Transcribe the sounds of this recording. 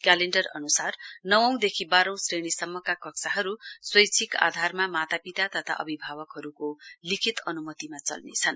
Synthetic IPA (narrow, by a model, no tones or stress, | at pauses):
kaleɳʈʌrʌ̰nusarnʌwʌ̃w̃d̪ekʰibaɾʌ̃w̃sreɽ̃isʌmːʌkakʌksaɦʌɾuswʌjt͡sʰika̰d̪ʱarmamat̪apit̪at̪ʌt̪ʰa̰ʔʌ̰bʱibʱabʌkɦʌɾukolikʰit̪ʌnumʌt̪imat͡sʌ̰lnḛt͡sʰʌn